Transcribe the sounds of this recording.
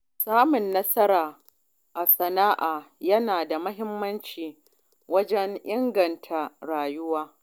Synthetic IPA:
saː˦mʊ˨nːɐ˦sɐ˦ɾaː˨ | ʔa˨sɐ˨naː˦ʔaː˨jɐ˦naː˨da˨mɐ˦ɦɪ˦mːɐ˦nt͡ʃiː˨ | wɐ˦d͡ʒɛ˦ŋʔɪ˦ŋɡɐ˨ntʰa˨ɽaː˨jʊ˦waː˦

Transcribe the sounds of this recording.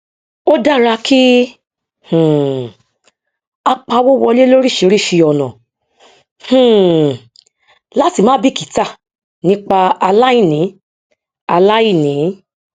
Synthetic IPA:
o˦da˦˨ɾa˧kʰi˦ | h̩˨ | a˧k͡pa˧wo˦˨wɔ˧le˦lo˦ɾi˦˨ʃi˧˦ɾi˦˨ʃi˧jɔ˨nɔ̰̃˨ | h̩˦˨ | la˦ti˦˨mãː˨˦bi˦˨ki˨ta˦˨ | nĩ˦k͡pa˧a˧la˦i˦˨nĩ˨˦ | a˧la˦i˦˨nĩ˨˦

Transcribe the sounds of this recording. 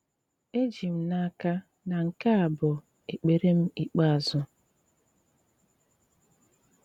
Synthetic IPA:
e˦d͡ʒi˨m̩˦na˦ka˦ | na˨ŋ̩˨ka˦a˨bʊ˨ | e˨k͡pe˨ɾe˦m̩˦i˨k͡pa˦a˨zʊ˦

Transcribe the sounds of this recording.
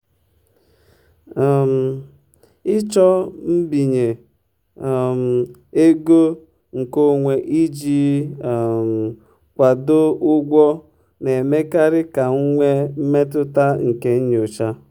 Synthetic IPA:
a˨m̩˨ | ɪ˦t͡ʃɔ˦m̩˦bi˨ɲe˨ | m̩˨e˦ɡo˦ | ŋ̩˨ko˦ŋʷe˨ʔi˦d͡ʒi˦˨ | m̩˨ | kʷa˨do˦ʊ˦ɡʷɔ˦ | ne˨me˦ka˦ɾɪ˦ka˨ŋ̩˦ŋʷe˦m̩˦me˦tʊ˦ta˦ŋ̩˨ke˦n̩˦ɲ˨o˨t͡ʃa˦

